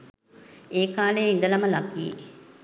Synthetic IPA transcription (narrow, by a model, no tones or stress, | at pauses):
eːkaːlejind̪əlaməlakiḛ